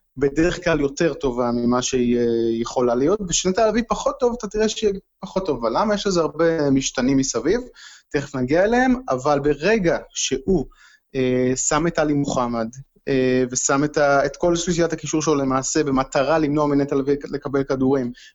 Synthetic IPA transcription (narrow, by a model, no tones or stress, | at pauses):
be̞de̞ʁeχklaljo̞te̞ʁto̞vamimaʃeijeχo̞lalijo̞tbeʃnetalavipaχo̞t̪ːo̞vatat̪iʁeʃejepaχo̞tːo̞vavalːamajeʃlezeaʁbemiʃtanimːisavivt̪eχefnaɡiaeleema̰valbe̞ʁe̞ɡaʃe̞hu | esamet̪alimuχamad | eve̞sametaetko̞lʃliʃijatakiʃuʁʃelole̞maːse̞be̞mat̪aʁalimnoaminet̪alavile̞kabe̞lkaduʁim